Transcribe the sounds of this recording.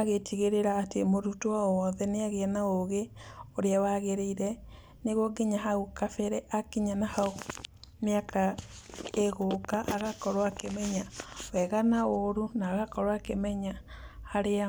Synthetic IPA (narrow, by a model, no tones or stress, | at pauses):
aɣetʰiɣeɾeɾaːtemoɾutoawɔðɛneaɣenaoɣeoɾeawaɣeɾeiɾɛ | neɣoɡeɲaɦaukafɛɾɛʔakiɲanahaomjaka | eɣokaʔaɣakɔɾwakemɛɲawɛɣanaoɾunaːɣakɔɾwakemɛɲahaɾea